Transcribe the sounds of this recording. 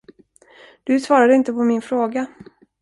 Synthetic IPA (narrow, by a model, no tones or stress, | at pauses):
d̪̥ɵsvɑːɾad̪əɪnt̪əpʰɔmɪnfɾoːɡa